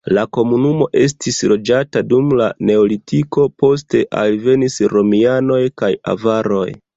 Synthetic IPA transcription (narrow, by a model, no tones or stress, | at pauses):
lako̞munumo̞ʔe̞s̬tʰislo̞d͡ʒatadumlane̞olitiko̞po̞s̬te̞ʔa̰lve̞nisɾo̞miano̞jkaja̰vaɾo̞̰j